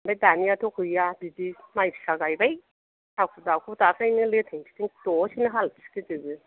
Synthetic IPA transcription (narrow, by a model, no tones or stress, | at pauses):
mbajdanijatʰɔkʰɯjabidimajpʰi̥saɡajbaj | tawkʰudawkʰutakʰajnɯletʰeŋsi̥tiŋtɔsinɯɦalsi̥kitɯɡɯ